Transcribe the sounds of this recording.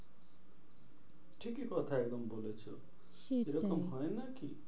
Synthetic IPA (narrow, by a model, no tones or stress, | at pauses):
ʈʰikːikʌt̪ʰaek̚d̪ʌmbolet͡sʰṵ | eɾʌkʌmɦojnʌki